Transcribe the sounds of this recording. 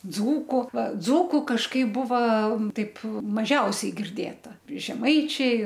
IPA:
ˈd͡zuːkʊ ʋɐ ˈd͡zuːkʊ kɐʃˈkɐɪp ˈbʊʋɐ ˈtɐɪp mɐˈʒʲɛʊsʲɛɪ ɡʲɪrʲˈdʲeːtɐ ʒʲɛˈmɐɪt͡ʃʲɛɪ

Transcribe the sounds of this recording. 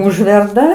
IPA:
ˈʊʒʲʋʲɛrdɐ

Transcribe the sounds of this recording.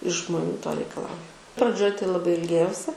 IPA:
ɪʃ ʒmoːˈnʲuː toː rʲɛɪkɐˈlˠɐʊjʊ prɐˈd͡ʒʲoːj tɐɪ lˠɐˈbɐɪ ɪlʲˈɡʲeːjɛʊsʲɪ

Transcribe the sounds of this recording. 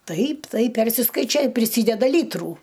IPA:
ˈtɐɪp ˈtɐɪp ˈpʲɛrʲsʲɪskɐɪt͡ʃʲoːj ɪ pʲrʲɪˈsʲiːdʲɛdɐ ˈlʲiːtruː

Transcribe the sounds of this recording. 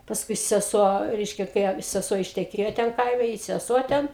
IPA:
pɐsˈkʊɪ sʲɛˈsuɔ ˈrʲɛɪʃʲkʲɛ kɐɪ ɐ sʲɛˈsuɔ ɪʃʲtʲɛˈkʲeːjoː ˈtʲɛn ˈkɐɪmʲɛ ɪ sʲɛˈsuɔ ˈtʲɛn

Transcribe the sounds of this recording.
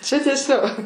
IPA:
ˈt͡ʃʲɛ ˈtʲiɛˈsʲoː

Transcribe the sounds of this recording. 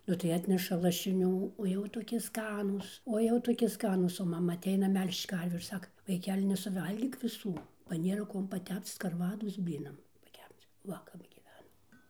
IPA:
ˈnʊ tɐɪ ˈɑːtʲnʲɛʃɐ lˠɐʃʲɪˈnʲuː oː ˈjɛʊ toːˈkʲɪ ˈskɑːnuːs oː ˈjɛʊ toːˈkʲɪ ˈskɑːnuːs oː mɐˈmɐ ɐˈtʲɛɪnɐ ˈmʲɛlʲʃt͡ʃ ˈkɐrʲʋʲuː ɪr ˈsɑːkɐ ʋɐɪˈkʲæːlʲɪ nʲɛsʊˈʋɐlʲɡʲiːk ʋʲɪˈsuː bɐ ˈnʲeːrɐ ˈkuɔm pɐˈtʲɛpt͡s skɐrˈʋɑːdoːs ˈbʲlʲiːnɐm pɐˈkʲɛpt͡s ˈʋɐ kɐp ɡʲiːˈʋʲæːnoːm

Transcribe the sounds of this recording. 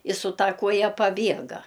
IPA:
ɪ sʊ ˈtɐ ˈkuɔjɛ pɐˈbʲiɛɡɐ

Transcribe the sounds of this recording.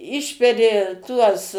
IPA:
ˈɪʃʲpʲɛrʲɪ ˈtuɔs

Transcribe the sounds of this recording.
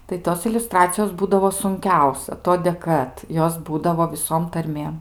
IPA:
tɐɪ ˈtoːs ɪlʲʊˈstrɑːt͡sʲɪjoːs ˈbuːdɐʋoː sʊŋʲˈkʲɛʊsʲɛ ˈtoːdʲeː ˈkɐt ˈjoːs ˈbuːdɐʋoː ʋʲɪˈsoːm tɐrʲˈmʲeːm

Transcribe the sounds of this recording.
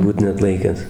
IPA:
ˈbuːt nʲɛɐtˈlˠɐɪkʲæːs

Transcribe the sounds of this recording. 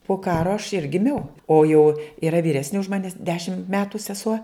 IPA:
poː ˈkɑːroː ɐʃ ɪr ɡʲɪˈmʲɛʊ ˈoː jɛʊ iːˈrɐ ʋʲiːˈrʲæːsʲnʲɪ ʊʃ ˈmɑːnʲɪs ˈdʲæːʃʲɪm ˈmʲæːtʊ sʲɛˈsuɔ

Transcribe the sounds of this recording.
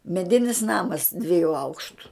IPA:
mʲɛˈdʲɪnʲɪs ˈnɑːmɐs dʲʋʲiɛˈjuː ˈɐʊkʃtʊ

